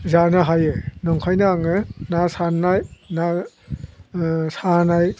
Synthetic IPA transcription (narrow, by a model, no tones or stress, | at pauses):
zanɯɦajɯnɔŋkʰajnaːŋɯnasanːajna | sanaj